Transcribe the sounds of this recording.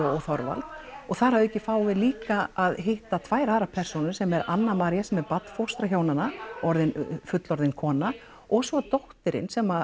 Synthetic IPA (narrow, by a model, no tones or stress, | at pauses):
ɔɣθɔɾva̰lɔɣθaɾhavʏɛcːɪfaːwvɪðliːkaaðɦeht̪at̪ʰvaːjɾaːðɾapʰɛr̥sɔnʏɾsɛmɛɾa̰nːamaːɾjasɛmɛɾpat̪n̥fowst̪ɾaçoːwnanaɔɾðɪnfʏt̪lɔɾðɪnkʰɔːna | ɔɣsvɔt̪oht̪ɪɾɪ̰nsɛma